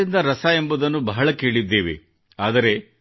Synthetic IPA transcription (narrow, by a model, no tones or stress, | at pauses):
ind̪ɐɾɐsae̞mbud̪ɐnːubɐɦɐɭɐke̞ːɭid̪ːeːʋḛ | aːd̪ɐɾe̞